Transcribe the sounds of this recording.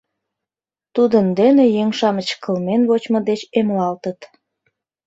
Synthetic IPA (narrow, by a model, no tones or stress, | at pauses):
t̪ud̪ənd̪enejeŋʃɑmət͡ɕkəlmenβot͡ɕmə̆d̪et͡ɕemlɑlt̪ət̪